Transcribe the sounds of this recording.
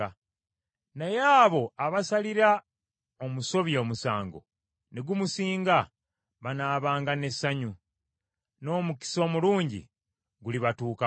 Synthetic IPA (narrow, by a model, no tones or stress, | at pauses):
najeaːβo̞aβasaliɾa | omuso̞βjeːmusa̰ːŋɡo̞̰ | neɡumusiːŋɡa | βanaːβaːŋɡane̞sːaɲu | no̞ːmuki̥so̞ːmuluːɲɟḭ | ɡuliβatuːka